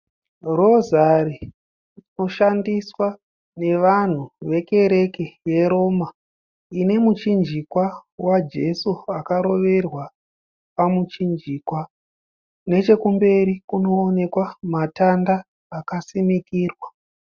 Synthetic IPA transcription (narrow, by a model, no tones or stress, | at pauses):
ro̞zari | no̞ʃandiswa | ne̞ʋan̤uʋe̞ke̞ɾe̞keje̞ɾo̞ːma | ine̞mut͡ʃind͡ʒikwawad͡ʒe̞suakaɾo̞ʋe̞rwa | pamut͡ʃind͡ʒiːkwa | ne̞t͡ʃe̞kumbe̞ɾikuno̞ːne̞kwamatandaː | kasimikiːrwa